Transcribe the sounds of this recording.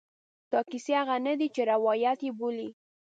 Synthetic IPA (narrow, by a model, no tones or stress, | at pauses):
t̪ɑkisehaɣanad̪it͡ʃeɾawɑjat̪jeboli